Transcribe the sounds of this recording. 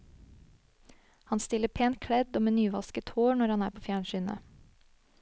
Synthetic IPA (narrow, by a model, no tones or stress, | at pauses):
hɑnst̪ɪlːəpʰeːn̚kʰɽɛd̪oːmeːnyːʋɑskət̪hoːɳɔɾhɑnæːɾpʰoːfjæːɳʃyːnə̰